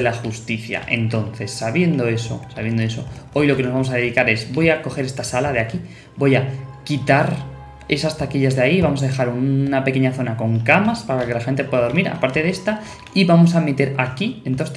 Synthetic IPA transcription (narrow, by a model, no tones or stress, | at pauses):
elaxust̪iθja̰ʔe̞nt̪o̞nθe̞sːaβ̞je̞nd̪o̞e̞so̞̰saβje̞nd̪o̞e̞so̞̰o̞jlo̞ke̞no̞zβamosaðe̞ðikaɾe̞zbo̞jako̞xe̞ɾe̞st̪asalaðeaki | bo̞jakit̪aɾ | e̞sast̪akiʎazðaiβamos̬að̞e̞xaɾunape̞ke̞ɲaθo̞nako̞ŋkamaspaɾake̞laxe̞nt̪̬e̞pwe̞ðaðo̞ɾmiɾa̰paɾt̪e̞ðe̞st̪a | iβamo̞samet̪e̞ɾakient̪o